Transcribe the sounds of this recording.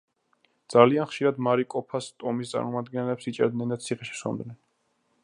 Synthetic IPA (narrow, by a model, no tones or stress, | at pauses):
d̪z̥alianχʃiɾad̪maɾikʼɔpʰast̪ʼɔmist̪sʼa̰ɾmɔmad̪ɡɛnlɛpsit͡ʃʼɛ̰ɾd̪nɛnd̪at̪sʰiχɛʃi̥sɔ̰md̪nɛn